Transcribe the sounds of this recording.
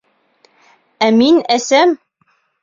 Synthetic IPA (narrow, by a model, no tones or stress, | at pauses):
æminæsæm